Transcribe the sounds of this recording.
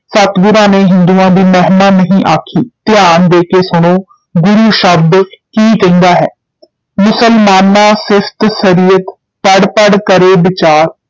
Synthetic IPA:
sət̪ɡʊɾãːneːɦɪnd̪uːãːd̪iːmɛɦnaːnəɦĩːʔaːkʰiːt̪ɪjaːnd̪eːkeːsʊɽ̃oː | ɡʊɾuːʃəb̚d̪kiːt̪ɪ̃nd̪aːɦɛː | mʊsəlmaːnːaːsɪst̪səɾiːət̪ | pəɽpəɽkəɾeːbɪt͡ʃaːɾ

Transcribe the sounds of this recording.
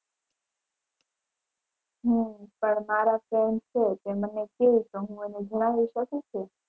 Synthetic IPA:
ɦũpəɳmaɾafɾɛɳɖt͡ʃʰet̪emənekeut̪oɦũened͡ʒəɽ̃aʋiʃəkũt͡ʃʰe

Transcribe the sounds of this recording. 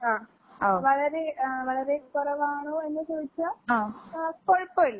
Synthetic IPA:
aː | oʋɐɭɐɾeʋɐɭɐɾekɔɾɐʋaːɳoːenːɨsoːʋit͡ɕːuaːaːkoɻpːoːilːɐ

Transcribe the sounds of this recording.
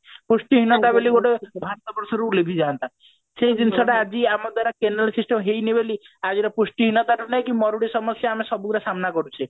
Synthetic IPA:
pusʈiɦinɔt̪abeliɡoʈebʱaɾt̪ɔbɔɾsɔɾulebʱid͡ʒaːnt̪a | seid͡ʒinsɔɽaad͡ʒiamɔd̪waɾakenalsisʈɔmɦejnibeli | ad͡ʒiɾɔpusʈiɦinɔt̪aɾunajkimɔɾuɽisɔmɔsjɔamesɔbukuɾasamnakɔɾut͡ʃʰi

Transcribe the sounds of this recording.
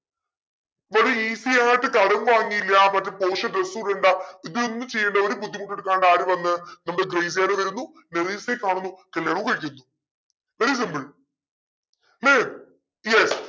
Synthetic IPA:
ʋɐɾiiːsijaːjiʈːɨkɐlɐmʋaːŋːijilːɐmɐtːɐpoːʂɐresuːɖeɳɖaiðɨonːɨmt͡ɕe̞jːɐɳɖɐoɾubud̪ʱːimuʈːe̞ɽuk̬ːaːɳɖaːɾuʋɐnːɨnɐmːɐɽeɡrejs̬jaːleʋɐɾunːu | neɾisekːaːɳunːukɐljaːɳumkɐɻikʲːunːu | ʋeɾis̬imbɨɭ | mem | jes

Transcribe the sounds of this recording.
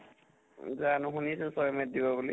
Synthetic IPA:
zanʊɦunisɛsɔjɔmɛt̚dibɔbuli

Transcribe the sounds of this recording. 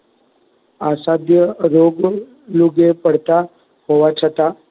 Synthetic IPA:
asad̪ʱjəɾoɡ | luɡepəɽt̪a | hoʋat͡ʃʰat̪a

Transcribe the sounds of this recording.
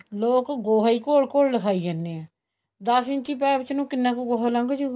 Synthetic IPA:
loːkɡoːɦaiːkoːlkoːlləkʰaːiːd͡ʒaːnd̪eːɛ̃ː | d̪əsɪ̃ɲt͡ʃiːp̬ɛːbɪt͡ʃnũːkɪnːãːkuɡoːɦaːlãːŋɡod͡ʒuː

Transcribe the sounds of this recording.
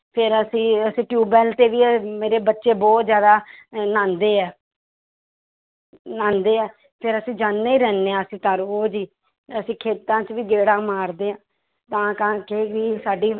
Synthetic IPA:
pʰɪɾəsĩːəsĩːʈjuːbɛːlt̪eːʋiːmeːɾeːbətːʃeːbɔːt̪zjaːd̪aːnãːnd̪eːɛː | nãːnd̪eːɛː | pʰɪɾəsĩːd͡ʒaːnːeːiːɾɛːnːeãːəsĩːt̪aɾoːd͡ʒiː | əsĩːkʰeːt̪ãːt͡ʃʋiːɡeːɽãːmaːɾd̪eːãː | t̪ãːkãːkeːʋiːsaːɖiː

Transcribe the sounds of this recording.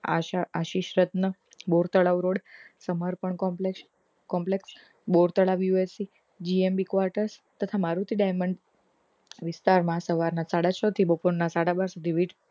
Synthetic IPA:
aʃaaʃiʃɾət̪nə | boɾt̪əɭaʋɾoɽsəməɾpəɳɔe | kɔmpleks | boɾt̪əɭaʋjuesi | d͡ʒiembikʋaɾʈəɾst̪ət̪ʰamaɾut̪ʰiɖajməɳɖ | ʋɪst̪aɾmãsəʋaɾnasaɽat͡ʃʰət̪ʰibəpoɾnasaɽabaɾsud̪ʱiʋiʈ

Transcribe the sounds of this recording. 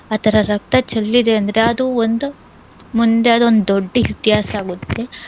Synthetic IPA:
ɐt̪ʰɐɾɐɾɐk̚t̪ɐt͡ʃɐlːid̪e̞ɐnd̪ɐɾeɐd̪uond̪u | mund̪e̞ɐd̪uond̪ud̪oɖːɐit̪iɦaːsɐaːɡut̪ːe̞

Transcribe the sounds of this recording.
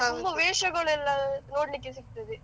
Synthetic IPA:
mbɐʋeːʂɐɣɐɭɛlːãːnoːɽnɪkːɯsɪkt̪ːɐðɯ

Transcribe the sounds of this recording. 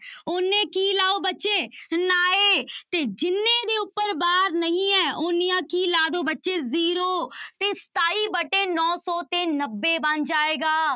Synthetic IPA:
oːneːkiːlaːobətːʃeːnaːeːt̪eːd͡ʒɪnːed̪eːʊpːəɾbaːɾnəɦĩɛːoːnijãːkiːlaːd̪oːbətːʃeːziːɾoːt̪eːst̪aːiːbəʈeːnɔːsɔːt̪eːnəbːeːbə̃nd͡ʒaːeːɡaː

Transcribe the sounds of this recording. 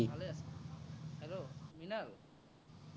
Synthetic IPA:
bʱaleas | hɛlominal

